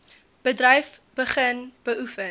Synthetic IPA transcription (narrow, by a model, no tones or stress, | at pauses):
b̥ədrɐjf | b̥əχənb̥əʔufə